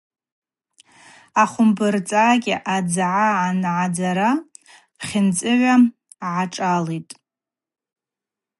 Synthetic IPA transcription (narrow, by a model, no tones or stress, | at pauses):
aχʷʊmbɨrt͡sʼaːɡʲɪʔad͡zʕaːnʕad͡zaɾa | χʲɪnt͡sʼɨʕʷa | ʕaʈ͡ʂʼaletʼ